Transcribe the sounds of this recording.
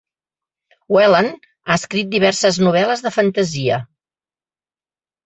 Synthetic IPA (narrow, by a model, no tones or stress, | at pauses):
wɛlən | aəskɾit̪̚d̪iβɛrsəznuβ̞ɛləzðəfənt̪əziə